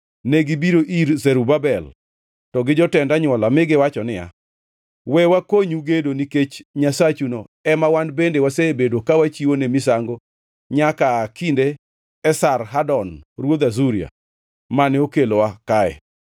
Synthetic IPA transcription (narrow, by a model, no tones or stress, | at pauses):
neɡɪbiɾoʔiɾzɛɾubabɛl | tɔɡɪd͡ʒɔtɛndaɲwɔlamɪɡɪwat͡ʃɔnɪja̰ | wɛwakoɲuɡedoniket͡ʃɲasat͡ʃuno | ɛmawanbendewaseːbedwokawat͡ʃiwonemisaŋɡo | ɲakakindeː | sarɦadɔnɾwod̪azuɾia̰ | manɛokelowakaɛ̰